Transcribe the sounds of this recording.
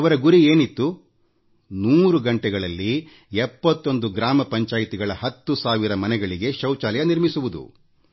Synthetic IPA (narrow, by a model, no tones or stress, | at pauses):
ɐʋɐɾɐɡuɾieːnit̪ːu | nuːɾuɡɐɳʈɛɡɐɭɐlːi | ɛpːɐt̪ːo̞nd̪uɡɾaːmɐpɐɲt͡ʃaːjit̪iɡɐɭɐɦɐt̪ːusaːʋiɾɐmɐnɛɡɐɭiɡe̞ʃɐwt͡ʃaːlɐjɐniɾmisuʋud̪ṵ